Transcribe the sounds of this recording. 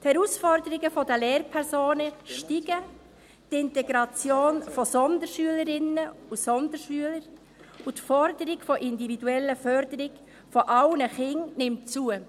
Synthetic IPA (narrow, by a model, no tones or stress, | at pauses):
thɛɾusfɔɾdəɾɪɡəfɔdəleːɾpʰɛɾzoːnəʃtiɡə | tɪntɛɡɾɑt͡sjoːnfɔsɔnd̪əɾʃyələɾɪnəusɔnd̪əɾʃyələɾ | utfɔɾdəɾɪɡfɔʔɪndividuɛlːəfœɾdəɾɪɡ | fɔʔɑʊnəχɪŋnɪmt͡suə